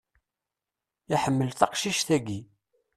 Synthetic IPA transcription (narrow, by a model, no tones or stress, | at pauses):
jaħəmːəlθɑqʃiʃθæɡi